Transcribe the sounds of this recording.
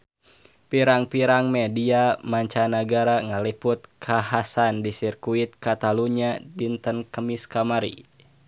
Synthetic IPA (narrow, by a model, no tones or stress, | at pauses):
piɾaŋpiɾaŋmɛdiamaɲt͡ʃanaɡaɾaŋaliput̪̚kʰaɦasandisirkuit̪̚kat̪aluɲadint̪ənkəmiskamaɾḭ